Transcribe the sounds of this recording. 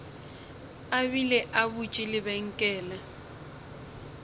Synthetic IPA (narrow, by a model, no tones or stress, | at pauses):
abilɛʔabut͡ʃʼɪlɪbɛŋ̩kʼɛːla